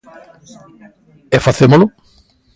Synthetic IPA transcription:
efaθemolʊ

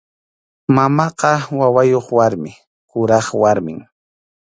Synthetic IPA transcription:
mamɑqɑwawajoχwaɾmɪ | kʊɾɑχwaɾmɪ̰ŋ

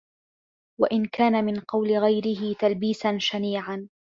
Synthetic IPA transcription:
wa̰ʔɪnkaːnamɪnqɑwlɪɣajɾɪɦɪt̪albiːsanʃamiːʕan

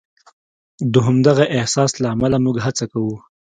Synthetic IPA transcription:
d̪əɦʊmd̪aɣaʔɪhsɑslaːmalamuɡɦat͡sakawu

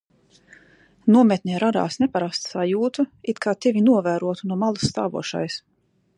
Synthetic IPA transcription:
nuɔmɛt̪ʲnʲiɛɾad̪a̰ːsnɛpaɾast̪sajuːt̪uit̪kʰaːt̪evʲinuɔvæːɾuɔt̪unuɔmalˠasːt̪a̰ːvṵɔʃa̰js

